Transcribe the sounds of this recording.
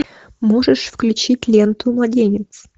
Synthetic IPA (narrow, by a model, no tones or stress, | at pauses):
moʐəʂfklʲʉt͡ɕitʲlʲent̪ʊmlˠɐdʲenʲɪt̪s